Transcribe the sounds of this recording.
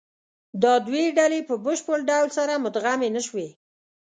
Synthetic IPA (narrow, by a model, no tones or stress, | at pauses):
d̪ɑd̪weɖalepəbəʃpəɽɖawlsaɾamʊt̪ɣamenəʃwe